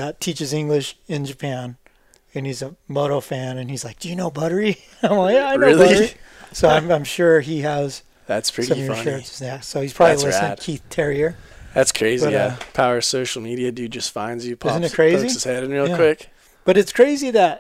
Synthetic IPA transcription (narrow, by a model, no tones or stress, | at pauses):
ðɨtʰit͡ʃɨzɪ̃ŋɡlɪʃɨ̃nd͡ʒɨpʰæ̃n | ɨ̃nizəmoʊɾofæ̃nɨ̃nizlaɪk̚d̥ɨjɨnoʊbʌɾə˞i | ãɪ̃maɪɹoɪlˠiʌə˞isoʊãɪ̃mãɪ̃mʃʊɹiɨz̥ | ðætspʰɹ̥ɪɾĩmjʌʃəznɛsoʊhiz̥pʰɹ̥ɑbllilɪsnd̥kʰiθtʰɛɹiə˞ | ðætskʰɹ̥eɪzbiʌjæpʰaʊə˞soʊʃl̩ˠmiɾiɨdʉd͡ʒʌstfã̰ɪ̃nzɨpʰɪz̃nɨt̚kʰɹ̥eɪziz̥hɛɾɨ̃n̩ɹilˠjkw̥ɪk | b̥ʌɾɨtskʰɹ̥eɪziðɨt̚